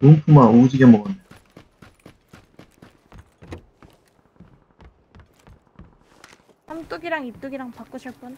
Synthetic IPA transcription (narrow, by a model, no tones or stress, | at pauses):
ompʰumaud͡ʑiɡemʌɡane | samt͈oɡiɾaŋip̚t͈oɡiɾaŋpak͈uɕʰʌk͈un